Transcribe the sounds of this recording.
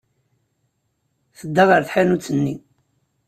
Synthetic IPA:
θəd̪ːɑʁəɾθħanut͡sːənːi

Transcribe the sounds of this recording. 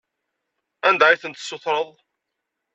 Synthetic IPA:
ænd̪æiθənt̪sːoθɾˤəðˤ

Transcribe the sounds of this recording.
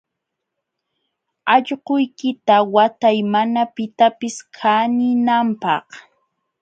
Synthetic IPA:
ɑʎɢʊjkɪt̪awat̪ajmanapɪt̪apɪskʰanɪnampɑ̰χ

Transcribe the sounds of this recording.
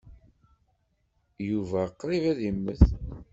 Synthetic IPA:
juvæqːɾˤivæðimːəθ

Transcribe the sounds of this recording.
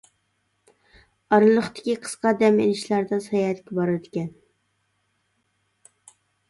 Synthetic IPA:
ɑɾɨlˠəχt̪ɪ̥kʲiqʰə̥sqɑd̪ɛmelɪʃlæɾd̪ɛsɑjɑhæt̪kʲɛbɑɾd̪ɪkʲɛn

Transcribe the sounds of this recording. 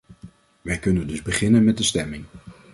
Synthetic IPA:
ʋɛjkɵnəndɵzbəχɪnənmɛt̚dəstɛmɪŋ

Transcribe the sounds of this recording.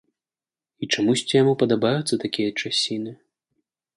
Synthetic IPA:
it͡ʂamusʲt͡sʲijamupɐd̪abajut̪sːɐt̪akʲijɐt͡ʂasʲinɨ

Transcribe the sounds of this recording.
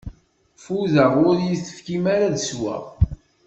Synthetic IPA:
fuðəʁʊɾjiθə̥fkimaɾaðəswæ̰

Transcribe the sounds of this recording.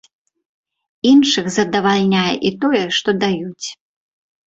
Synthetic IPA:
inʂɨxzɐd̪ɐvalʲnʲajɛ̰ʔit̪ɔjɛʂt̪ɔd̪ajut͡sʲ

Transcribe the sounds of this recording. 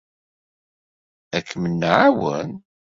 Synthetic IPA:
ækʰːmənːəʕawə̰n

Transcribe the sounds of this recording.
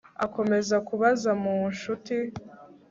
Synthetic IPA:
ako̞me̞zakuβazamunʃuti

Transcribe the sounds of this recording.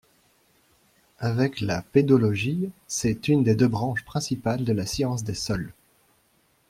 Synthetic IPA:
avɛklaped̪ɔlɔʒisɛt̪ynd̪ed̪øbʁɑ̃ʃpχɛ̃sipald̪əlasjɑ̃sd̪esɔl

